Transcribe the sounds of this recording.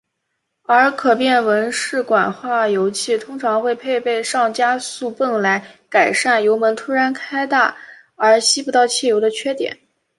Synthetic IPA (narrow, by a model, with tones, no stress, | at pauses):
ə˞˧˥kʰɤ˨˩pjɛ˥˩nwə˧˥nʂɻ̩˥˩kwa˨˩nxwa˥˩jo˧˥ʊt͡ɕʰi˥˩t̪ʰʊ˥ŋʈ͡ʂʰɑ˧˥ŋxwe˥˧ɪpʰe˥˧ɪpe˥˧ɪʂɑ˥˩ŋt͡ɕja˥su˥˧pə˥˩ŋla˧˥ɪka˨˩ɪʂa˥˩njo˧˥ʊmə˧˥nt̪ʰu˥ɻa˧˥nkʰa˥ɪt̪a˥˩ | ə˞˧˥ɕi˥pu˧˥t̪ɑ˥˧ʊt͡ɕʰjɛ˥˩jo˧˥ʊd̪ə˧t͡ɕʰɥɛ˥t̪jɛ̰˨˩˦n